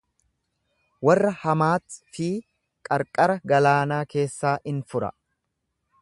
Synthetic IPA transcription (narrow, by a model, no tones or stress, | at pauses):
wɐrːɐhɐmaːt̪fiː | kʼɐɾkʼɐɾɐɡɐlaːnaːke̞ːsːaːʔɪnfʊɾɐ̰